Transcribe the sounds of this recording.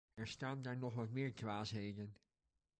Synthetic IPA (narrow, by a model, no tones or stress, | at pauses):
ɛɹstaːndaːɹnɔχʋɑtmɪːɹkʋaːsɦejdən